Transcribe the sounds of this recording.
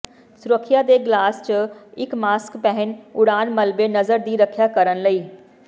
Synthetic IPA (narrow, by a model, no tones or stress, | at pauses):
sʊɾəkʰːjad̪eɡlaːst͡ʃəɪkmaːskpɛɦɪnʊɽaːnmɐlbenɐzəɾd̪iːɾɐkʰijakɐɾənlɐiː